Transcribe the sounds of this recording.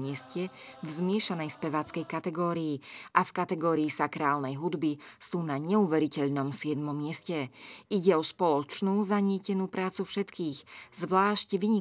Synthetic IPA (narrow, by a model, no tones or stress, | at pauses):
ɪɛscɛvzmɪɛʃanɛjspɛʋaːt͡skɛjkat̪ɛɡɔːɾiiʔafkat̪ɛɡɔːɾiːsakɾaːlnɛjɦud̪bisuːnaɲɛuʋɛɾicɛʎnɔmsɪɛd̪mɔmːɪɛscɛʔiɟɛɔspɔlɔt͡ʃnuːzaɲɪɛcɛnuːpɾaːt͡sufʃɛt̪kiːɣzʋlaːʃcʋiɲi